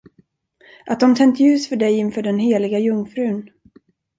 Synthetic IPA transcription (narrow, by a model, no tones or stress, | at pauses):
ʔat̪̚d̪ɔmt̪ʰɛŋt̪ʰjʉ̟ːsfœɖɛjɪnfœːɖɛnɦeːlɪɡajɵŋːfɾʉ̟ːn